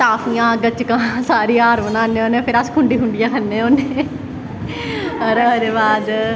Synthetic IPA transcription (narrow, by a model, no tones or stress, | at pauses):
t̪aːfʰijãːɡət͡ʃkãːsaːɾiːaːɾʋənãːneːoːnẽpʰɪɾəskʰʊɳɖiːɦʊɳɖɪjãːkʰənːẽːoːneː | əɾəɦɾeːbaːd̪